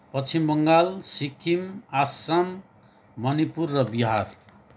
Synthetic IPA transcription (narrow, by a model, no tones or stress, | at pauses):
pʌt͡sʰimbʌŋɡalsikʰːimasamː | ʌnipurːʌbiɦar